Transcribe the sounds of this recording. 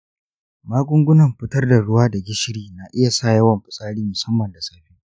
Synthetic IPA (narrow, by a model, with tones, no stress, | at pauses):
maː˦ɡʷʼʊ˦ŋɡʷʊ˦nɐ˨mɸɪ˦tɐ˦rda˨ɽʊ˦waː˦da˨ɡʲɪ˦ʃɪ˦ɽiː˦na˨ʔɪ˦ja˨saː˦˨jɐ˦wɐ˨mɸɪ˨sʼaː˦ɽiː˦mʊ˨sɐ˦mːɐ˨nda˨saː˦ɸiː˦